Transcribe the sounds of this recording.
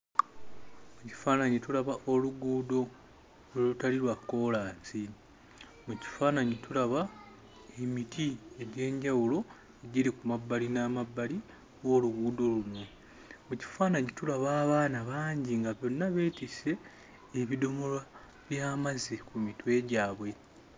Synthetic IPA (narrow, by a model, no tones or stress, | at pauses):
muci̥faːnaɲitulaβaʔo̞luɡuːdo̞ | olutaliɾwako̞laːnsi | muci̥faːnaɲitulaβa | emitʰie̞ɟe̞ːɲɟawulo̞ | eɟiɾikumabːalinaːmabːali | wo̞ːluɡuːdo̞lunwe | muci̥faːnaɲitulaβaːβaːnaβaːɲɟiŋɡaβjo̞nːaβe̞ːtise̞ː | βido̞molwa | βjaːmazikumitwe̞ːɟaːβwe̞